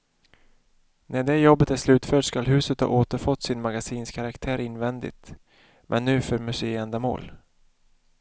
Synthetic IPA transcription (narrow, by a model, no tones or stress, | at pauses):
næɖɛjɔbːət̪æʂlʉ̟ːt̪fœːʈskalɦʉ̟ːsət̪hɑ̰ːʔoːt̪əɾfɔt̪ːsɪnmaɡasiːnskʰaɾakt̪ʰæːɾɪnːvɛnd̪ɪ̰t̪ | mʔɛ̰nːʉ̟ːfœɾmɵseːɛnd̪amo̰ːl